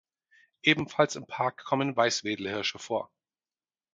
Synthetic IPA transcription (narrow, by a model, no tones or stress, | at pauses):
ʔeːbm̩falsɪmpʰaɐkʰːɔmənvaɪsv̥eːdl̩hɪɐʃəfoːɐ